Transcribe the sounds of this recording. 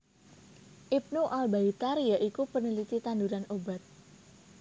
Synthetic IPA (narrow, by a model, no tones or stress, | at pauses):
ʔip̚nuʔalbait̪arjaʔikupənilit̪it̪anduɾanobat̪̚